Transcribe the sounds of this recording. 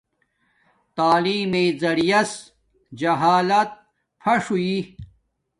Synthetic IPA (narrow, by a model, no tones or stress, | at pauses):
t̪aːliːmeːzɐɽijɐs | d͡ʑɐɦaːlɐt̪̚ | pʰɐʂui